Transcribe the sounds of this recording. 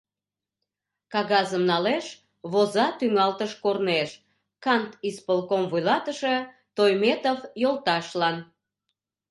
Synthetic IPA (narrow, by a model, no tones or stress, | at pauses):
kɑɣɑzəmnɑleʃ | βozɑt̪yŋɑlt̪əʃkorneʃ | kɑnt̪ispolkomvujlɑt̪əʃe | t̪ojmet̪ovjolt̪ɑʃlɑn